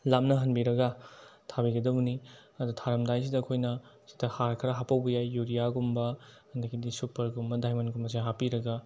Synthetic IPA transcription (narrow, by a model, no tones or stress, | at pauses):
lamnɐɦɐnbiɾɐɡɐtʰabiɡɐdɐbniɐdutʰaɾɐmdajs̬idɐːkʰojnɐsi̥tɐhaɾkʰɾɐɦapɐwbɐjajːuɾijaɡumbɐ | ɐndɐɡidisupːɐɾɡumbɐdajmɐnɡumɐs̬iɦapiɾɐɡɐ